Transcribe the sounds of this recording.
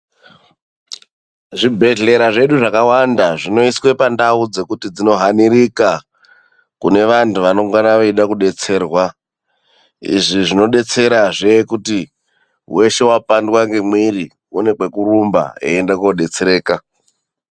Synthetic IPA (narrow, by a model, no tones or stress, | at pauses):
ʐibʱe̞ɮe̞ɾaʐe̞ɗuʐakawandaʐino̞iswe̞pandaud͡ze̞kutid͡zino̞ɦaniɾika | kune̞ʋantuʋano̞ŋɡanaʋoiɗakuɗe̞t͡se̞ːrwa | ḭʐiʐino̞ɗe̞t͡se̞ɾaʐekuti | wʔe̞ʃe̞wapandwaŋɡe̞mwiri | une̞kwe̞kurumba̰ḛːndakoɗe̞t͡seɾe̞ːka